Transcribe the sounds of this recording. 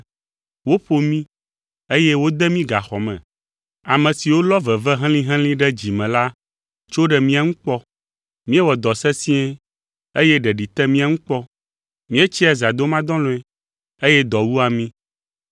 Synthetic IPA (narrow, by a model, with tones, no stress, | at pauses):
wo˦ɸo˦mĩ˦ | e˦jɛ˦wo˦d̪ɛ˦mĩ˦ɡa˨xɔ˨mɛ̰̃˨ | a˨mɛ̃˨si˨wo˦lɔ˦vɛ˨vɛ˦ɦɛ̃˦lĩ˦ɦɛ̃˦lĩ˦ɖɛ˦d͡ʑi˨mɛ̃˨la˦ | t͡ʃo˦ɖɛ˨mĩ˦a˨ŋũ˦k͡pɔ˦ | mĩ˦ɛ˦wɔ˨d̪ɔ˨sɛ˦sĩ˦ɛ˦ | e˦jɛ˦ɖɛ˨ɖi˨t̪ɛ˦mĩ˦a˨ŋũ˦k͡pɔ˦ | mĩ˦ɛ˦t͡ɕi˦ɛ˨za˨d̪o˦mã˦d̪ɔ̃˦lɔ̃˦ɛ˦ | e˦jɛ˦d̪ɔ˨wu˦a˨mĩ˦